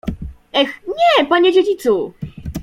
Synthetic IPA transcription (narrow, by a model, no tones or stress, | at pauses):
ɛxɲɛpaɲed͡ʑed͡ʑit̪su